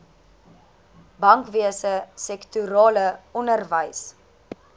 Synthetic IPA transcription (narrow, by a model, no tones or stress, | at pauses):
bɐŋkviəsəsɛktuɾɑːləɔnərvəjs